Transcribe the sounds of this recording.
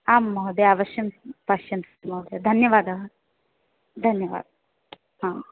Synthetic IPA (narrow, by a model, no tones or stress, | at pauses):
aːmːɐɦd̪eaːʋɐʃjɐmpaʃjɐnsmɐɦd̪ed̪ʱɐnjɐʋaːd̪ɐɦɐ | d̪ʱɐnjɐʋa̰ːd̪̚ | hã